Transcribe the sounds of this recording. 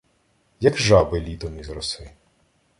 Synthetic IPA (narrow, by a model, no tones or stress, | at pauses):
jɐkʒɑbɪlʲit̪ɔmizɾɔsɪ